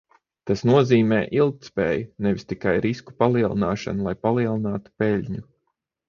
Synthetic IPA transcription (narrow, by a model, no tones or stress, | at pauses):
t̪asnuɔziːmɛːʔilˠk̚t̪spɛːjunɛʋʲist̪ikajɾisku̥palˠiɛlˠinaːʃa̰nulˠajpalˠiɛlˠinaːt̪u̥pɛlʲɲu